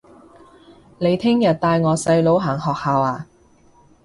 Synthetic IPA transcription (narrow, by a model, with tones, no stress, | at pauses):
le˨˧jt̪ʰɪ˥ŋjɐ˨t̚t̪aː˧jŋɔː˨˧sɐ˧jlo˨˧wɦaː˨˩ŋhɔː˨k̚haː˨˧waː˨˧